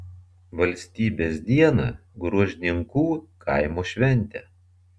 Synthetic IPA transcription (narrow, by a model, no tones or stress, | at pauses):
ʋɐlʲsʲt̪ʲiːbʲeːsd̪ʲiɛnɐ̰ɡɾuɔʒʲɪnʲɪŋkuːkʰɐ̰ˑɪmoːʃʲʋʲɛnʲt̪ʲɛ